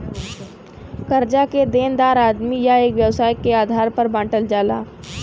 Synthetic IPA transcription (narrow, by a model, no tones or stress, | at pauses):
kɐɾd͡ʒaked̪eːnd̪aːɾaːd̪mijaeːkʋjɐwsaːjkeaːd̪ʱaːɾpɐɾbãːʈəld͡ʒaːla̰ː